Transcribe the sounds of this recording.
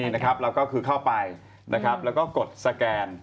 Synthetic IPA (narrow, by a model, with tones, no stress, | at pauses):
i˧˩na˦˥kʰa˦˥p̚ɾa˧wkɔː˥˩kʰɯː˧kʰa˥˩wpa˧j | nʔa˦˥kʰɾa˦˥p̚lɛː˦˥wkɔː˥˩ko˨˩t̪̚sa˧kɛː˧n